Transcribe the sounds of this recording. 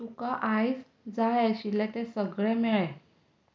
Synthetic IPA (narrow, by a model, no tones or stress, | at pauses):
ukaʔajs | d͡zaɭaɕilɛt̪ɛsəɡɭɛmɛɭɛ